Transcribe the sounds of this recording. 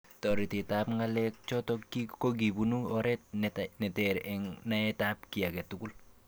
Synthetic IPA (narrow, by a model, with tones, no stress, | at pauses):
tɔ˨ɾi˨tɪ˨ta˦pŋa˦lɛk̚t͡ʃɔ˦tɔkikok̬i˨bunu˦ɔ˦ɾɛ˦t̚ntnɛ˨tɛɾɛŋna˦ɛ˦ta˦pki˨a˨kɛ˨tuku˦l